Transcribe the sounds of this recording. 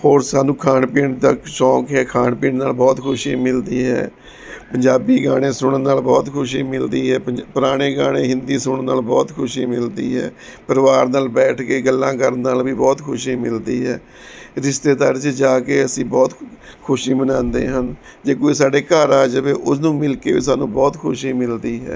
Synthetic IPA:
hoːɾsaːnũːkʰaːnpiːɳt̪əkʃɔːkɦɛːkʰaːɳpiːɳnaːlbɔːt̪kʰʊʃiːmɪld̪iːɦɛ̰ː | pəɲd͡ʒaːbiːɡaːɽ̃ẽːsʊɽənːaːlbɔːt̪kʰʊʃ̬iːmɪld̪iːɦɛːpəpəɾaːɽ̃eːɡaːɽ̃eːɦɪ̃nd̪iːsʊɳənaːlbɔːt̪kʰʊʃiːmɪld̪ḭːɦɛ̰ː | pəɾəʋaːɾnaːlbɛːʈʰkeːɡəlːãːkəɾnːaːlʋiːbɔːt̪kʰʊʃiːmɪld̪iːɦɛː | ɾɪʃt̪eːd̪aːɾt͡ʃd͡ʒaːkeːəsĩːbɔːt̪kʰʊʃiːbənãːnd̪ḛːɦən | d͡ʒeːkoːisaːɖeːkaːɾaːd͡ʒəʋeːʔʊsnũːmɪlkeːʋḭːsaːnũːbɔːt̪kʰʊʃiːmɪld̪iːɦɛ̰ː

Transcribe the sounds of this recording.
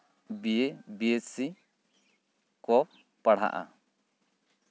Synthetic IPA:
biebiesi | kɔ | paɽ̤a̰ʔa̰

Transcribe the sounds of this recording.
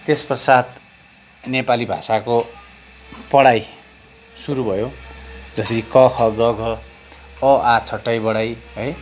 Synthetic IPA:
t̪espʌsad̪ | nepalibʱa̰sako | pʌɽaj | suɾubʱʌjod͡zʌsʌɾikʌkʰʌɡʌɡʱʌ | ʌat͡sʰʌʈːajbʌɽajɦʌj

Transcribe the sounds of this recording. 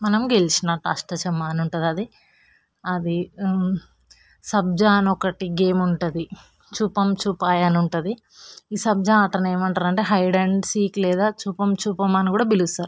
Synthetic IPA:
mɐnɐmuɡelit͡ʃinaːʈɐ̰ʂʈɐt͡ʃɐmːaːnuɳʈud̪ɐd̪i | ɐd̪i | sɐb̚d͡ʒaːnɔkɐʈiɡe̞ːmuɳʈud̪i | t͡ʃuːpɐmt͡ʃuːpaːjɐnuɳʈɐd̪i | iːsɐb̚d͡ʒaːɐt̪ɐne̞ːmɐɳʈaːɾɐɳʈe̞ːɦɐjɖeɳɖsiːklɛːd̪aːt͡ʃuːpɐmt͡ʃuːpɐmɐnikuːɽaːbilust̪aːɾu

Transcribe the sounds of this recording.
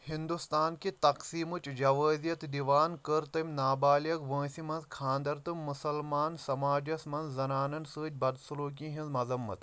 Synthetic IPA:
hind̪ust̪aːnkit̪ɐqsiːmut͡ʃd͡ʒɐʋəːzijɐt̪d̪iʋaːnkəɾt̪ɐmʲnaːbaːljɐkʋə̃ːsimɐ̃nzkʰãːnd̪ɐɾt̪ɨmːusɐlmaːnsɐmaːd͡ʒɐsmɐnzzɐnaːnɐnsɨːt̪̚ʲbɐd̪suluːk̬ĩɦĩnzmɐzɐmːɐ̰t̪

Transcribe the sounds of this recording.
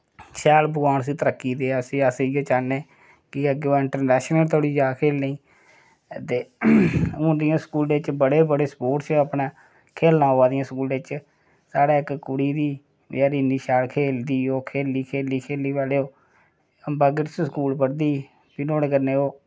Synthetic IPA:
ʃɛːlbəɡaːɳs̬iːt̪əɾəkːiːd̪eːasĩːasoːt͡ʃaːnẽː | kɪəɡeoːɪɳʈəɾnɛːʃnəlt̪ʰoːɽiːd͡ʒaːkʰeːlnĩː | t̪eː | ʊ̃ːd̪ɪjãːsə̥kuːld̪eːt͡ʃbəɽeːbəɽeːspoːʈt͡ʃəpnãː | kʰeːlnãːoːaːd̪ɪjãːskuːld̪eːt͡ʃ | saːɽaːɪkkːʊɽiːd̪iː | aːɾiːniːʃɛːlkʰeːld̪iːoːkʰeːlːiːkʰeːliːkʰeːliːbaːleːoː | əmbaːɡɪɾssəkuːlpəɽd̪iː | pɪnoːɽeːkəɾneːoː

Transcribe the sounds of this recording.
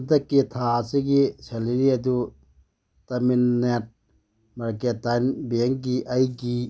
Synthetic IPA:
dɐkːit̪ʰaseɡiseliɾiɐdu | tɐminːet̚ | maɾketajnbeŋɡiʔɐjɡi

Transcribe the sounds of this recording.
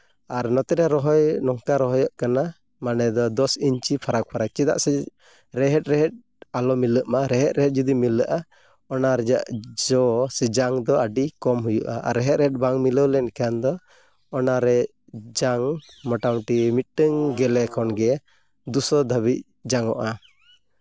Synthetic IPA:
aɾnɔt̪ɛɾɛɾɔɦɔjnɔŋkaɾɔɦɔjɔʔkana | manɛd̪ɔd̪ɔsiɲt͡ʃipʰaɾak̚pʰaɾak̚t͡ʃid̪a̰ʔsɛ | ɾɛɦɛt̪̚ˀɾɛɦɛt̚ | alɔmiləʔmaɾɛɦɛt̪̚ɾɛɦɛt̪̚d͡ʒɔd̪imiləʔa | ɔnaɾɛd͡ʒa̰ʔd͡ʒɔsɛd͡ʒaŋd̪ɔəɖikɔmɦujṵʔa̰ʔa̰ɾɛɦɛt̪̚ɾɛɦɛt̚baŋmiləwlɛnkaand̪ɔ | ɔnaɾɛ | d͡ʒaŋ | mɔʈawʈimit̪̚ʈəŋɡɛlɛkʰɔnɡɛ | d̪usɔd̪ʱəβit̚ | d͡ʒaŋɔʔa

